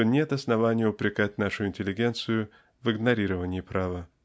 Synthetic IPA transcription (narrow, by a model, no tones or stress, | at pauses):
onʲe̞t̪ɐsnɐvanʲɪjəʊpɾʲɪkatʲnaʂʊɪnʲtʲɪlʲːɪɡʲe̞nt̪sɨjʊ | vɨɡnɐɾʲiɾəvənʲɪːpɾʔavə